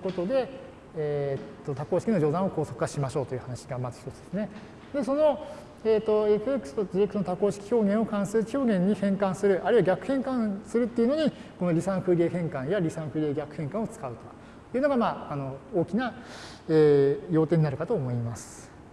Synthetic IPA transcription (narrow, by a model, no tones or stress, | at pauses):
ko̞t̪o̞d̪e̞ | t̪ːo̞t̪ako̞ːɕi̥kʲino̞d͡ʑo̞ːd̪ãoko̞ːso̞kɯ̟kaɕimaɕo̞ːt̪o̞jɯ̟hanaɕiɡamazɨç̥t̪ot͡sɨd̪̥esɨne̞ | d̪e̞so̞no̞ | eːt̪ːo̞ekɯkɯ̥t̪oɨɾekɯnot̪ako̞ːɕi̥kʲi̥ço̞ːɡẽɰ̃o̞kãɰ̃sɨɾɯ̟kʲʰo̞ːɡẽ̞ɲ̟ːihẽ̞ŋkãɰ̃sɨɾɯ̟ʔaɾɯ̟iβaɡʲakɯ̟hẽ̞ŋkãɰ̃sɨɾɯ̟t̪ːeiɯ̟no̞ɲ̟ikono̞ɾʲisãkɯɾʲeːɦẽ̞ŋkãɰ̃jaɾʲisãkɯɾʲeːɡʲakɯ̟hẽ̞ŋkãɰ̃o̞t͡sɨ̥kaɯ̟t̪o | jɯːno̞ɡamaːno̞oːkʲina | eːjo̞ːt̪e̞ːɲ̟inaɾɯ̟kat̪o̞ːmo̞imasɨ̥